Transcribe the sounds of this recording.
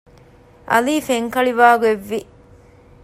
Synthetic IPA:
ʔɐ̰liːfeŋkɐɭiʋaːɡueʋːi

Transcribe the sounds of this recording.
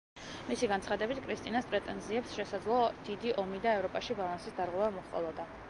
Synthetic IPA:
misiɡant̪sʰχad̪ɛbit̪ʰkʰʼɾist̪ʼinaspʼɾɛt̪ʼɛnziɛpsʃɛsad̪zlˠɔd̪̥id̪iʔɔmid̪aɛvɾɔpʼaʃibalˠansisd̪aɾʁwɛvamɔχqʼɔ̰lˠɔd̪a

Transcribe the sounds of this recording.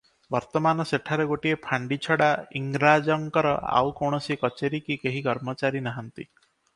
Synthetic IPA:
bɔɾt̪ɔmanɔseʈʰaɾeɡoʈiepʰaɳɖit͡ʃʰɔɽaiŋɡɾad͡ʒɔŋkɔɾɔ̰a̰wkɔɽ̃ɔsikɔt͡ʃeɾikikeɦikɔɾmɔt͡ʃaɾinaɦɔnt̪ḭ

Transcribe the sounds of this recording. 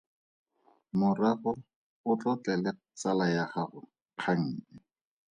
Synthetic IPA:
mʊraɣʊ | ʊt͡ɬɔt͡ɬɛlɛ | t͡salajaχaχʊ | q͡χʰaŋ̩ːɛ

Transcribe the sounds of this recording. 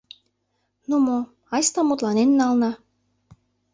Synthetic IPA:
nomo | ɑst̪ɑmut̪lɑnenːɑlnɑ

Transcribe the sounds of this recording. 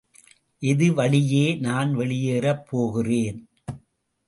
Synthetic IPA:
ʔɪðɯʋɐɭɪjeːnaːnʋɛɭɪjeːɾɐpːoːɣɪreːn

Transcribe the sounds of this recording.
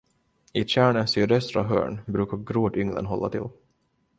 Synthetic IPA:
ɪɕæːɳəsyːd̪œst̪ɾa̰ɦœ̰ːɳbɾʉ̟ːkaɾɡɾoːd̪ʏŋlə̰nɦɔlːat̪ʰɪlː

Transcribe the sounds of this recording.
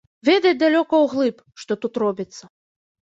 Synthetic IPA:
vʲɛd̪ɐjʲd̪alʲɔkɐwɣlˠɨp | ʂt̪ɔt̪ut̪rɔbʲit̪sːɐ

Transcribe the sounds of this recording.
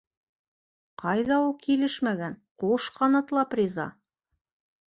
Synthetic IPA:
qɑjðɑulˠkilɘʃmæɡænquʃqɑnɑt̪lˠɑprʲizɑ̰

